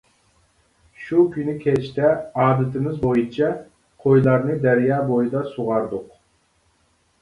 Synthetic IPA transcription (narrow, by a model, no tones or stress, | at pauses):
ʃukʲʰynɪkʲʰɛt͡ʃt̪ʰɛɑːb̪lt̪ʰɪmɪzbojut͡ʃʰɛ | qʰojlˠɑɾnɨd̪ɛɾjɑːbojɨd̪ɑsuʁɑɾd̪ʊq